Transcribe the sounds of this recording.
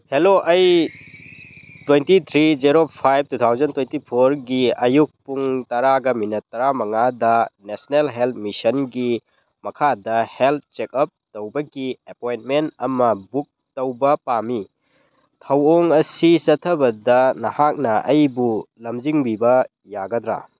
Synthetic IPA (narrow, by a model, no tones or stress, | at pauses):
heloʔɐj | twentit̪ʰɾizeɾopʰajb̚tut̪ʰawzɐntwentipʰoɾɡiɐjuk̚puŋtɐɾaɡɐminɐtːɐɾamɐŋadɐnesnelɦelt̚misɐnɡi | mɐkʰadɐhelt̚t͡ʃekɐp̚tɐwbɐɡiepojntmentɐmɐbuk̚tɐwbɐpami | tʰɐwoŋɐsisɐtʰːɐbɐdɐnɐhak̚nɐɐjbulɐmd͡ʒiŋbibɐ | jaɡɐd̪ɾa̰